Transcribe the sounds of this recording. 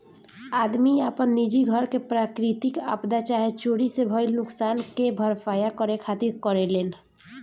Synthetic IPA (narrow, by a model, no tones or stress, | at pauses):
ad̪miapɔnːid͡ʒiɡʱɔɾkepɾakɾit̪ika̰pd̪at͡ʃaɦet͡ʃoɽisebʱɔjlnuksankebʱɔɾfajakɔɾekʰat̪iɾkɔɾelen